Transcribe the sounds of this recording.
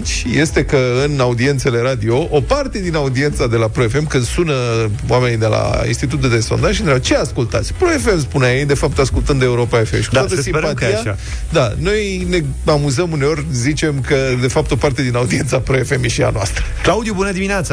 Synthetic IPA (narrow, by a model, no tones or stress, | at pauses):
t͡ʃʲje̞st̪e̞kəɨnaud̪ie̞nt̪se̞le̞ɾad̪io̞ʔopart̪e̞d̪inaud̪ie̞nt̪sad̪e̞lapɾo̞e̞fe̞mkɨnd̪̥sunəwame̞nid̪e̞la̰ḭnst̪it̪ut̪d̪eso̞nd̪aʒind̪ɾaɡt͡ʃe̞askult̪at̪sʲpɾo̞e̞fe̞mspuneajejd̪e̞fap̚t̪askult̪ɨnd̪e̞uɾo̞pae̞fe̞mʃi̥kut̪aat̪əsimpat̪ija | d̪ano̞j | ne̞ | amuzəmune̞o̞rʲzit͡ʃe̞mkəd̪e̞fap̚t̪o̞part̪e̞d̪inaud̪ie̞nt̪sapɾo̞e̞fe̞mjeʃia̰noa̰st̪ɾəklaud̪jubunəd̪iminat̪sa